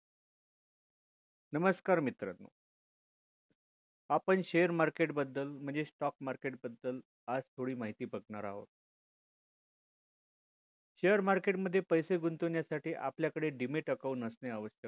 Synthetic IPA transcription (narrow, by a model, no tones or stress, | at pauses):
nəməskaɾmit̪ɾənːo̰ | apəɳɕejəɾmaɾkeʈbəd̪ːəlm̤əɳd͡zesʈɔk̚maɾkeʈ̚bəd̪ːəl | ad͡zt̪ʰoɽiːmaɦit̪iːpəkɳaɾa̰ɦo̰t̪̚ | ɕejəɾmaɾkeʈməd̪ʱːjepəjseɡunt̪unjasaʈiːʔapljakəɽeɖimeʈəkaunəsneəʋəɕək